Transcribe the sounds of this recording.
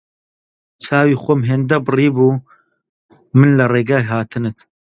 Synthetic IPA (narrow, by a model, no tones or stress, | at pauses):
t͡sʰaːwiːxʷomɦeːnd̪ɐbɨriːbuː | mɨnlɐreːɡaːjɦaːt̪ʰɨnɨt̪